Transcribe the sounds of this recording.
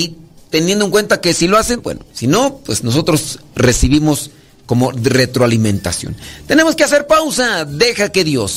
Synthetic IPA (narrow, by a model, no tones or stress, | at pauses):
it̪enjend̪oeŋkwent̪akesiloasembwḛnosino̞pwesnos̬ot̪ɾo̞sresiβimos | ko̞more̞t̪ɾoalimẽ̞nt̪a̰sjo̰nt̪e̞ne̞mo̞skease̞ɾpawsaðe̞xake̞ðjo̞s